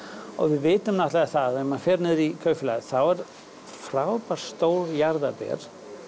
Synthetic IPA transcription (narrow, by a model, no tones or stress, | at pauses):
ɔ̰ɣvɪðvɪːt̪ʏmnaht̪laɛθaðɛmanfɛːɾnɪððikʰœːɥfɪlaθawɛɾ̥ | fɾaːwpaɾ̥st̪oːwljaɾðapɛ̰ɾ̥